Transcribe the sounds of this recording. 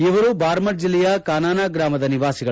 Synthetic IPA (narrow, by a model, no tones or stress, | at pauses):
iʋɐɾubaːɾmɐʈd͡ʒilːɛjɐkaːnaːnaːɡɾaːmɐd̪ɐniʋaːsiɡɐ